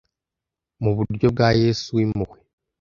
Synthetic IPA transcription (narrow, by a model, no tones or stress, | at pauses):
muβuɾjobɡajesuimuɣwe